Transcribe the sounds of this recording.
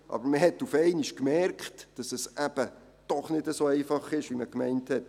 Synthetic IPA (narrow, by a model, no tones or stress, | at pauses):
ʔɑ̰bəɾməɦɛtːufɛɪniʃkmɛɾkχtd̥ɑsɛsʔæb̥ə | d̥ɔχnɪdəsoːɛɪfɑχɪʃʋiməkmɛɪnthɛt